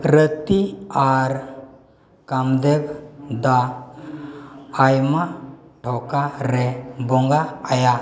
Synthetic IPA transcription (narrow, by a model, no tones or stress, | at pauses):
ɾət̪iaɾ | kamd̪eɡd̪a | jmaʈʰɔkaɾɛbɔŋɡaːja